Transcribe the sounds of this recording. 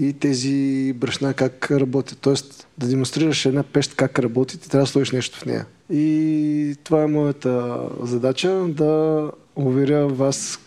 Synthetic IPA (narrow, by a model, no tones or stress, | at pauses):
it̪ɛzibɾɐʃnakakɾɐbɔt̪ʲit̪ɔɛst̪d̪ɐd̪ɛmonst̪ɾiɾɐʃɛd̪napɛʃt̪kakɾɐbɔt̪it̪ɛt̪ɾʲavd̪sˠɔʃiʃnɛʃt̪o̥fnɛ̰jɐ̰ | i | t̪ovaɛmɔjət̪əzɐd̪at͡ʃəd̪ɐ | ʊvɛɾʲəvas